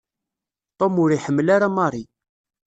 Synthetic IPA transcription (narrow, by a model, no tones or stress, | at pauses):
t̪ˤomʊɾiħəmːlaɾamɑɾˤi